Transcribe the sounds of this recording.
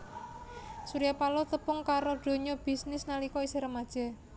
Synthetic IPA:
suɾijapalɔt̪əpʊŋkaɾoɖ̪̥o̤ɲɔb̥i̤snɪsnalikɔiseɾəmad̥ʒ̥ɛ̤

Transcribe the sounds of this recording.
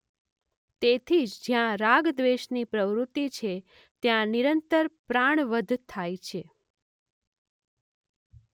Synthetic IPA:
t̪et̪ʰid͡ʒd͡ʒjãɾaɡd̪ʋeʃnipɾəʋɾut̪ːit͡ʃʰe | t̪jãniɾənt̪əɾpɾaɳ̃ʋəd̪ʱt̪ʰːajt͡ʃʰe

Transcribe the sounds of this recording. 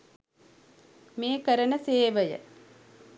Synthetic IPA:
meːkəɾənəseːʋəjə̰

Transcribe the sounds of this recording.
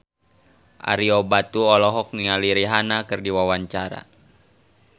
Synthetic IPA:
ʔa̰ɾiɔbat̪uɔlɔɦɔk̚ŋialiɾiɦanakɨrdiwawaɲt͡ʃaɾa̰

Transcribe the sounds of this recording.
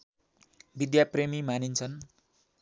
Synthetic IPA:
bid̪japremimanint͡sʰʌn

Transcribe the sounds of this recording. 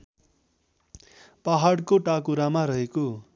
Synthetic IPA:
paɦaɽkoʈakuɾamaɾʌɦeko

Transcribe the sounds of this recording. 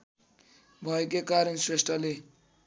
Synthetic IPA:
bʱʌekekaɾʌnswesʈʰʌle

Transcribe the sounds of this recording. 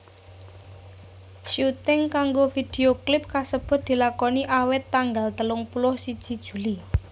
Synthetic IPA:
ʃut̪ɪŋkaŋɡofid̪̥e̤oklɪp̚kasəb̥ʊ̤t̪̚d̪̥i̤lakɔniʔawɪt̪ːaŋɡalt̪əlʊŋpulʊhsid̥ʒ̥i̤d̥ʒ̥ṳli

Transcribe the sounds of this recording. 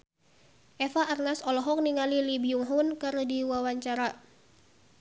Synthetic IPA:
ʔɛfaʔːrnasɔlɔɦɔk̚niŋalilibiuŋɦunkɨrdiwawaɲt͡ʃaɾa

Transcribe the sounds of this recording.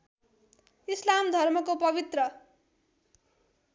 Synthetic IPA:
islamd̪ʱʌrmʌkopʌbit̪rʌ

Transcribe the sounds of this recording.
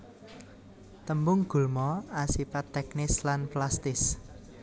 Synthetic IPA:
t̪əmbʊŋɡ̥ṳlmɔasipat̪ːɛk̚nɪslanplast̪ɪs

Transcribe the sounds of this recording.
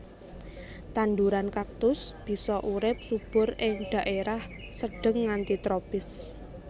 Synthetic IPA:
t̪and̪uɾankak̚t̪ʊsb̥i̤sɔʔuɾɪp̚sub̥ʊ̤rɪŋd̪̥a̤ʔeɾah | səɖ̥ə̤ŋːant̪it̪ɾopɪs

